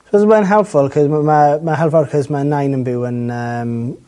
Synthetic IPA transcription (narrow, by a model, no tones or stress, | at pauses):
swɔzəbɛðə̃nɦɛlˠpfɔlˠkʰɔzmmamaɦɛlˠfɔlˠkʰɔzmanajnənbɪwənəm